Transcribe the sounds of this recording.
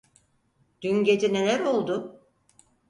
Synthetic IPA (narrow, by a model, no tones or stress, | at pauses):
d̪̥ynɟed͡ʒ̪inelʲæɾo̞lˠd̪ʊ